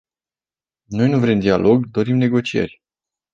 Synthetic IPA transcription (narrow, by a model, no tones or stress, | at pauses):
no̞jnuvɾimd̪ialʔo̞ɡd̪o̞ɾimne̞ɡo̞t͡ʃie̞̰rʲ